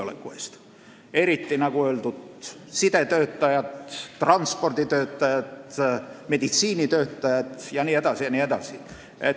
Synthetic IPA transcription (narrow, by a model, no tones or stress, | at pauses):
olḛkːuḛst̪ | eɾit̪ːinɑkuølt̪ut̪ | sit̪et̪øːt̪ːæjæt̪ːrɑnspord̪it̪øːt̪ːæjæt̪med̪it̪siːnit̪øːt̪ːæjæt̪jɑnied̪ɑsijɑnied̪ɑsi | et